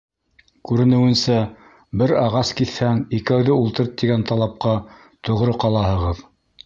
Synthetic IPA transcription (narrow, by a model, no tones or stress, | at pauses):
kʉɾɘ̆nɘ̆wɘ̆nsæ | bɘɾɑʁɑskiθhæŋikæwðɘulˠt̪ɤ̆ɾt̪ːiɡænt̪ɑlˠɑp̚qɑ | t̪ŏʁɾɤqɑlˠɑhɤ̆ʁɤð